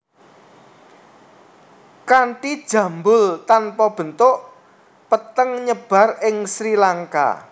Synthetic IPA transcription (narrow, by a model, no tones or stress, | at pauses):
kaɳʈid̥ʒ̥ä̤mbʊlt̪anpɔb̥ə̤nt̪ʊʔ | pət̪əŋɲəb̥ä̤rɪŋsɾilaŋka̰